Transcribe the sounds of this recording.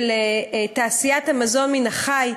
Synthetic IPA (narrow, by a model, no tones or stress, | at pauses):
letaːsijathamazo̞nminaχaj